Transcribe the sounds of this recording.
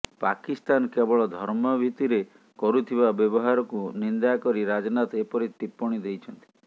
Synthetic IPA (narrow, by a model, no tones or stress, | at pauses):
pa̰kist̪ankebɔɭɔd̪ʱɔɾmɔbʱit̪iɾe | kɔɾut̪ʰibabjɔbɔɦaɾɔkunind̪akɔɾiɾad͡ʒnat̪ɔepɔɾit̪ipːɔɽ̃id̪ejt͡ʃʰɔnt̪i̥